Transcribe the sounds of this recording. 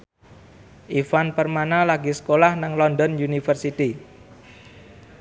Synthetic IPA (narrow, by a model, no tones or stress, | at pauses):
ʔifanpərmanalaɡisə̥kolahnaŋlɔndɔnjunifərsit̪i